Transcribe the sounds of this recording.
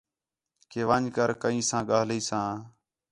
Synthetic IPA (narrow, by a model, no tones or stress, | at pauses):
keːʋəɲkəɾkəĩːsãːɠaːɦliːsãː